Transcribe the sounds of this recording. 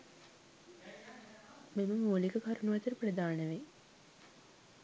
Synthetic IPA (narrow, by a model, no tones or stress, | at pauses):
meməmoːlikəkaɾunuʋɐt̪əɾəprɐd̪aːnəʋe